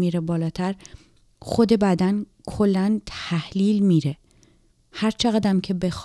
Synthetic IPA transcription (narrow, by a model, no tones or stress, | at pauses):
miːɾebɒːlɒːt̪ʰæɾ | xo̞d̪e̞bæd̪ænkʰo̞lːænt̪ʰæhliːlmiːɾe̞ | hæɾt͡ʃʰeɣæd̪æmcʰe̞be̞x